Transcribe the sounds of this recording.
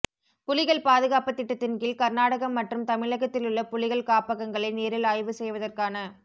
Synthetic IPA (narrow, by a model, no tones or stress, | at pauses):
pʊlɪɣɐɭpaːðɯɣaːpɐt̪ːɪʈːɐt̪ːɪnkɪlkɐɾnaːɽɐɣɐmːɐʈrɯmt̪ɐmɪɭɐɣɐt̪ːɪlɯɭːɐpʊlɪɣɐɭkaːpɐɣɐŋɡɐɭɐɪneːɾɪlaːjʋɯsɛjʋɐðɐrkaːnɐ